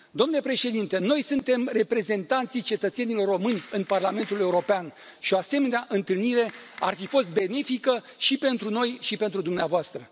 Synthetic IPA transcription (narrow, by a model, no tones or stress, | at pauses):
d̪o̞mnulepɾe̞ʃe̞d̪int̪e̞no̞jsɨnt̪e̞mre̞pɾe̞ze̞nt̪ant̪sijt͡ʃe̞t̪ət̪se̞nilo̞rːo̞mɨnʲɨnparlame̞nt̪ule̞uɾo̞pean | ʃioase̞me̞neaʔɨnt̪ɨlniɾe̞arfifo̞st̪̚be̞ne̞fikə | ʃipe̞nt̪ɾuno̞jʃipe̞nt̪ɾud̪umneavoast̪ɾə